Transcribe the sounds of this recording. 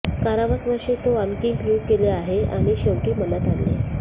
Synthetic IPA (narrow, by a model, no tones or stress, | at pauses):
kaɾaʋasʋəʂet̪oənkiŋkɾukeleaɦea̰ɽ̃iɕewʈiːmənət̪alːḛ